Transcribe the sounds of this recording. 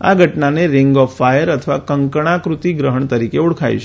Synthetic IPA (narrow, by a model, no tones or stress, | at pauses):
a̰ɡʱəʈnaneɾɪŋɡɔfːajəɾət̪ʰəʋa̰kəŋkəɳ̃akɾut̪iɡɾəɦəɳt̪əɾikeuɽkʰaj̰ʃ